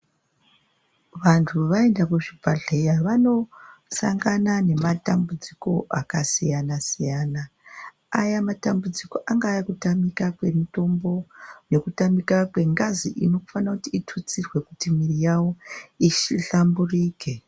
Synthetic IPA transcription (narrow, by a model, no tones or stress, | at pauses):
ʋantʰuʋae̞ndakuʐibʱaɮe̞jaʋano̞saŋɡanane̞matambud͡ziko̞ʔakasijanasijaːna | ajamatambud͡ziko̞ʔaŋɡaːjakutamikakwe̞mito̞mbo̞ne̞kutamikakwe̞ŋɡaziʔḭno̞ku̥fanakutiitʰut͡sirwe̞kutimirijawo̞iʃiɬamburiːke̞